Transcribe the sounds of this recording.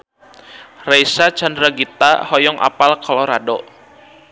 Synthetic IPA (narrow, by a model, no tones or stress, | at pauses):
rejsat͡ʃandɾaɡit̪a̰hɔjɔŋʔa̰palkʰɔlɔɾadɔ